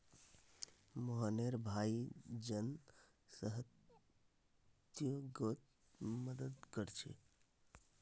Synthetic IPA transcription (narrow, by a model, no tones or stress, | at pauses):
moɦaneɾbʱaid͡ʒən | səɦət̪ | t̪joɡot̪ | məd̪əd̪kəɾt͡ʃʰḛ